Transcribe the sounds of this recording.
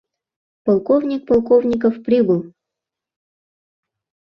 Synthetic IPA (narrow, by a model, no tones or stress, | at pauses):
pɐlˠkovnʲik̚pɐlˠkovnʲɪk̬əfpɾʲibɨlˠ